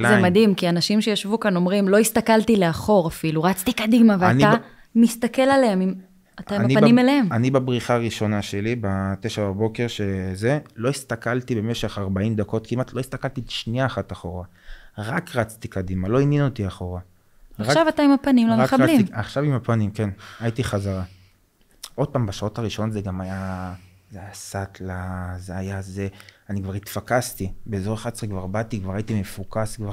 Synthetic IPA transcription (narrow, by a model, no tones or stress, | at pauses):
lazemad̪imkianaʃimʃejaʃvukano̞mʁimlo̞ist̪akaltileaχo̞ʁafiluʁat͡st̪ikadimaveaana | mist̪ake̞lalehemim | ataimanipanimeleemanibabʁiχaːʁiʃo̞naʃelibat̪eʃaʁabo̞ke̞ʁʃezelo̞ist̪akalt̪ibe̞me̞ʃe̞χaʁbaimd̪ako̞t̪kimat̪ʰloist̪akalt̪itʃniaːχataχoʁa | ʁakʁat͡st̪ikadimalo̞injinotiaχo̞ʁa | aʁaʃavataimapanimlaaaaiiaχʃavimapanimke̞najit̪iχazaʁa | ʔo̞d̚paːmbaʃao̞taʁiʃo̞nozeɡamaja | zeajasat̪ʰlazeajazeanikvaʁit̪fakast̪ibeːzo̞ʁeχat͡sʁikvaʁbat̪ikvaʁait̪ime̞fukaskvaʁ